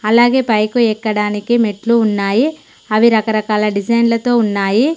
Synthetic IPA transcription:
ɐlaːɡe̞ːpɐjkuɛːkːɐɽaːnikimeʈluːnːaːji | ɐʋiɾɐkɐɾɐkaːlɐɖid͡ʒɐjnlɐt̪o̞ːunːaːji

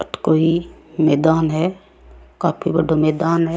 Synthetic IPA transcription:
ət̪koːimɛːd̪aːnɦɛː | kaːpʰibəɖomɛːd̪aːnɦɛ

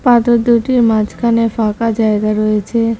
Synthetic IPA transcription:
pad̪od̪uʈimat͡ʃkʰanefakad͡ʒaeɡaɾɔet͡ʃʰe

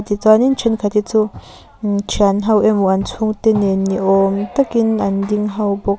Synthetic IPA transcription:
t̪it͡sanint͡ʃʰɛnkʰat̪it͡su | t͡ʃʰianɦɐwʔɛmuʔant͡sʰuŋt̪enenːiʔɔmt̪akinʔɐnd̪iŋɦɐwbɔk̚

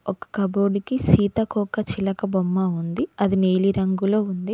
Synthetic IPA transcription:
ɔkɐ̥kɐboːɽikisiːt̪ɐkɔːkɐt͡ʃilɐkɐbomːaːund̪iɐd̪ineːliɾɐŋɡulo̞ːund̪i

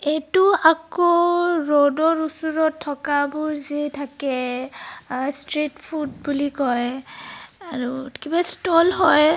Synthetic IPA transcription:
etuakɔɹɔdɔɹusuɹɔtʰːɔkabʊɹzitʰakɛ | stɹitpʰud̚bulikɔj | aɹukibastɔlɦɔj

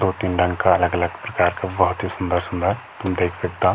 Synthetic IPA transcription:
d̪oːt̪inɖɐ̃ŋɡkaɐləɡələɡpɾɐkaːɾkabɐɦʊt̪ɦisʊ̃nd̪əɾsʊ̃nd̪əɾ | t̪ʊmd̪eːkʰsɐk̚t̪aː

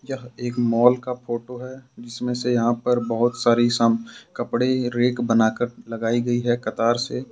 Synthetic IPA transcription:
jɐɦeːkmɔːlkapʰoːʈoɦɛd͡ʒɪsmẽsejɐɦãpəɾbɐɦʊt̪saːɾisəmkɐpɽeɾeːkbənaːkəɾlɐɡaːiɡɐiɦɛkɐt̪aːɾse

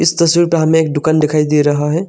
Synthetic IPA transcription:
ɪst̪əswiɾpɾamẽeːk̚ɖʊkaːnd̪ɪkʰaːid̪iɾɐɦaɦɛ

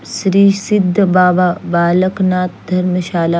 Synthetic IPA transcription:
sɾiːsɪd̪ʱːbaːbabaːləknaːt̪̚d̪ʱɐɾməʃaːla

